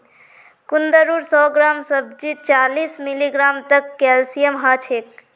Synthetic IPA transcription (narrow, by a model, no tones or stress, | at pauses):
kund̪əɾuɾsɔɡɾamsəb̚d͡ʒit͡ʃalismiliɡɾamt̪əkːɛlsijəmɦat͡ʃʰek̚